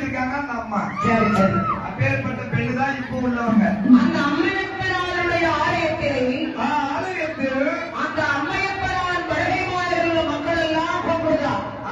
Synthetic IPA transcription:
ɾɯkːaːŋɡɐːnd̪ɐɐmːaːsɐɾisɐɾ | peːɾpɐʈːɐpɛɭːɯt̪ãːɪpːoʊɭːɐːɐŋɡɐɐnd̪ɐːmːɐʋɐpːɪnaːlɯɽɐjɐaːlɐjɐt̪ːɪlɐɪaaːlɐjɐt̪ːɪ | ɐnd̪ɐːmːɐjɐpːɐnaːlɐlpɐɻɐɽɐmaːlɪɾɯʋɐmɐŋɡɐɭɛlːãːpoːpɐðaː

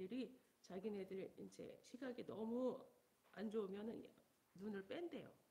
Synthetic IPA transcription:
ɯɾi | t͡ɕaɡinedɯɾeind͡ʑe̞̰ɕʰiɡaɡinʌmu | and͡ʑoumjʌnɯn | nunɯɭp͈ende̞jo̰

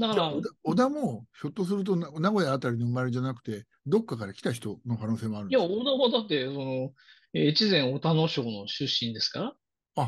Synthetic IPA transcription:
d̪akaɾaod̪aod̪amo̞ço̞t̪ːos̬ɨɾɯ̟t̪̬o̞nnaɡo̞jaːt̪aɾʲinoɯmaɾeʑd͡ʑanakɯ̟̥t̪e̞ | d̪o̞kːakaɾakʲi̥t̪açi̥t̪o̞no̞kano̞ːse̞ːmo̞aɾɯ̃nijaod̪aβad̪at̪ːe̞so̞no | eːt͡ɕizẽ̞ɰ̃o̞t̪ano̞ɕo̞ːno̞ɕɨɕːĩnd̪e̞sɨ̥kaɾa | a

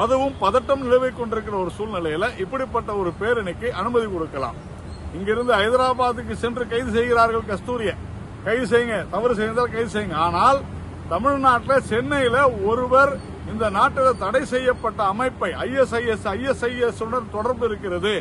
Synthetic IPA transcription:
pɐðɐʋɯmpɐðɐʈːɐmnɪɻɐʋɐɪkːɔɳɖɪɾɯkːɪrɐɔɾɯsuːlnɪlɐjɪlɐʔɪpːɐɽɪpːɐʈːɐɔɾɯpeːɾɛnɐkːɯʔɐnɯmɐðikɔɽɯkːɐla̰ːm | ɪŋɡɪɾɯnd̪ɯɐɪðɪɾaːbaːðɯk̬ːɯsɛndrɯkɐɪðɯs̬ɛjɣɪɾaːɾɣɐɭkɐst̪uːɾɪjɐ | kɐɪɯs̬ɛjɯŋɡɐt̪ɐʋɐɾsɛjɐnd̪aːlkɐɪðɯsɛjːɯŋɡɐaːnaːl | t̪ɐmɪɻnaːʈːɪlɐsɛnːɐjɪlɐɔɾɯʋɐɾ | ɪnd̪ɐnaːʈːɪlɐt̪ɐɽɐɪsɛjːɐpːɐʈːɐːmɐɪpːɐɪʔɐjɛsɐjɛsɐjɛsɐjɛsnɐɾt̪ɔɽɐɾbɯɪɾɯkːɪɾɐðɯ

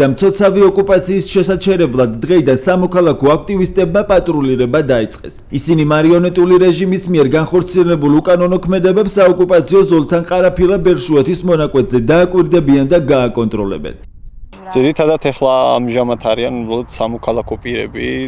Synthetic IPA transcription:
amt̪sʰɔt̪sʰaviɔkʼupʼat̪sʰiːsʃɛsat͡ʃʰɛɾɛblˠad̪ːʁɛid̪ansamɔkʰalˠakʰɔak̚ʰt̪ʼivist̪ʼɛbmapʼat̪ʼɾuliɾɛbad̪ait̪sʼqʼɛ̰s | isinimaɾiɔnɛt̪ʼuliɾɛʒimismiɛɾɡanχɔɾt̪sʰiɛlɛbulˠukʼanɔnɔkʰmɛd̪ɛbɛpsːaɔkʼupʼat̪sʰiɔzɔlˠt̪ʰanqʼaɾapʰilˠabɛɾʃuɛt̪ʰismɔnakʼwɛt̪ʰzɛd̪aːkʼwiɾd̪ɛbiand̪aɡaːkʼɔnt̪ʼɾɔlɛ̰bɛ̰n | d̪z̥iɾit̪ʰad̪at̪ʰɛχlˠaa̰mʒamat̪ʰaɾianubɾalˠɔd̪̥samɔkʰalˠakʰɔpʼiɾɛ̰bḭ

